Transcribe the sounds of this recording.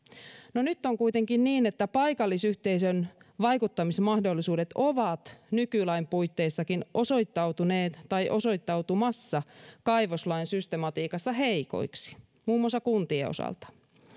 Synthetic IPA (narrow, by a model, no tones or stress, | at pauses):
nonyt̪ːoŋkuijt̪eŋkinniːnet̪ːæpɑjkɑlːisyht̪e̞isønʋɑjkut̪ːɑmismɑhdolːisuːde̞t̪oʋɑt̪nykylɑimpuijt̪ːeisːɑkinʔo̞so̞it̪ːɑwt̪uneːt̪t̪ɑjʔo̞so̞it̪ːɑwt̪umɑsːɑkɑiʋoslɑinsyst̪emɑt̪iːkɑsːɑheiko̞̰iksi̥ | muːmːuɑsːɑkunt̪ieo̰sɑ̰lt̪ɑ̥